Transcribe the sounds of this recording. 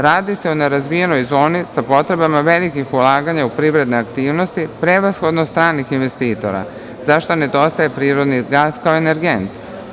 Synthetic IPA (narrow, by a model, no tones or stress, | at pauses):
ɾaːd̪ise̞uneɾazʋije̞no̞jzo̞ːnisapo̞t̪ɾe̞bamaʋe̞likixulaːɡaɲaupɾiʋɾe̞d̪neakt̪iːʋno̞st̪ipɾe̞ʋasxo̞d̪nost̪ɾaːnixinʋe̞st̪iːt̪o̞̰ɾa̰ | zaʃt̪one̞d̪o̞st̪aje̞pɾiːɾo̞d̪niɡaːskauene̞ɾɡe̞nt̪